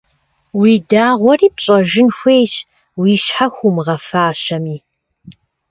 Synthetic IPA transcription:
wiːdaːʁʷɔriːpɕʼɐʒɪnxʷejɕ | wiːʃħaxʷʊmʁɐfaːɕɐmiː

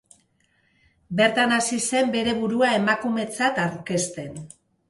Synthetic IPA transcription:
be̞ɾt̪anasise̞mbe̞ɾe̞βuɾuae̞makume̞t͡sat̪aɾke̞st̪e̞n

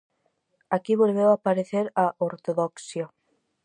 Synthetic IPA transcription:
akiβolβewapaɾeθeɾaʔoɾt̪oðoksjo

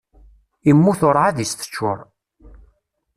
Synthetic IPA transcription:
imːuθʊɾˤʕaðist̪ə̥t͡ʃːʊ̰ɾˤ

